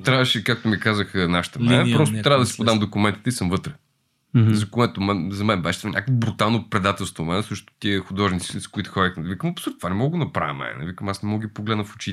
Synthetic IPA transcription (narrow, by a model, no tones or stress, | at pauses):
t̪ɾavəʃɛkak̚t̪omikazəxnaʃə̥t̪əmɛnpɾɔst̪ʊt̪ɾʲavəd̪ɐsi̥pod̪amd̪okʊmɛnt̪i̥t̪əisɤmvɤt̪ɾə̥ | zɐkoɛt̪omɛzɐmɛnbɛʃɛt̪vanʲa̰kəvobɾut̪alˠnopɾɛd̪at̪ɛlˠst̪vomɛnsɤʃt̪o̥t̪iəxʊd̪ɔʒnit̪siz̥kʊit̪ʊ̥xɔɾək̪nɛd̪vikəmɐpsuɾt̪vanɛmɔɡɡonɐpɾa̰vɛ̰mɛ̰nɛ̰vikəmasnɛmɔɡɡʲipoɡlɛd̪nəfo̥t͡ʃi